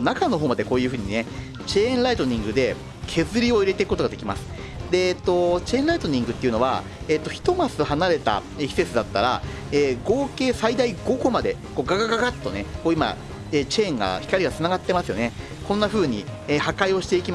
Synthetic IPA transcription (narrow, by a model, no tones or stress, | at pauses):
nakano̞ɦo̞ːmad̪e̞ko̞ːjɯ̟ːɸɯ̟ːɲ̟ine̞ | t͡ɕẽ̞ːnɾait̪o̞ɲ̟ĩŋɡɯ̟d̪e̞ | kʰe̞zɨɾʲio̞iɾe̞t̪e̞kɯkːot̪oɡad̪e̞kʲimasɨ̥ | d̪e̞ːt̪ːo̞t͡ɕẽ̞ːnɾait̪o̞ɲ̟ĩŋɡɯ̟t̪ːeiɯ̟noβa̰ | eːt̪ːo̞çi̥t̪o̞masɨɦanaɾe̞t̪a̰ | eçʲi̥se̞t͡sɨd̪at̪ːaɾa̰ | eːɡo̞ːke̞ːsaid̪aiɡo̞ɡo̞mad̪e̞ | ko̞ːɡaɡaɡaɡat̪ːo̞nekoːima̰ | eːt͡ɕẽ̞ːŋɡa̰çi̥kaɾʲiat͡sɨnaɡat̪ːe̞masɨjo̞̰ne̞ | kõ̞nːaɸɯ̟ːɲ̟ieːhakaio̞ɕi̥t̪e̞ikʲima